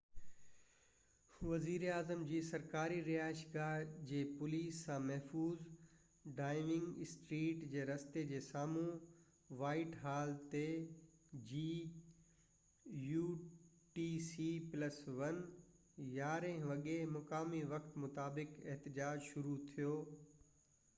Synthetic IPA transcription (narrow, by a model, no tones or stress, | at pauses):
ʋɐziːɾeaːzəmd͡ʑiːsɐɾkaːɾiɾiaːʃɡaːd͡ʑeːpʊliːsːãmɐɦfuːz | ɖaːɪʋɪ̃ŋɡɪsʈɾiːʈd͡ʑeːɾɐst̪ed͡ʑeːsaːmũ | ʋaːɪʈɦaːlt̪e | d͡ʑiː | juː | ʈiːsiplɐsʋɐn | jaːɾẽʋɐɠemʊkaːmiʋɐkt̪mʊt̪aːbɪkɪɦt̪ɪd͡ʑaːd͡ʑʃʊɾut̪ʰijoː